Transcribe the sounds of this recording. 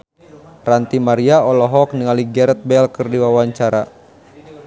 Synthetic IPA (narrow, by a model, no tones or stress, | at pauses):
rant̪imaɾiaɔlɔɦɔk̚niŋaliɡɛɾɛt̪̚bɛlkɨrdiwawaɲt͡ʃaɾa̰